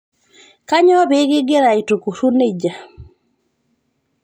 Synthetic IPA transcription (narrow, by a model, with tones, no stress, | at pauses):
ka˦ɲɔ˦be˦ɡɪ˦ɡe˦ɾa˨i˨to˨ku˨su˦ne˦d͡ʒa˨